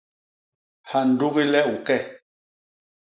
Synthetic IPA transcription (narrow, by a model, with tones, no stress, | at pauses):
ha˨n̩˨du˦ɣi˦lɛ˦u˨kɛ˦˨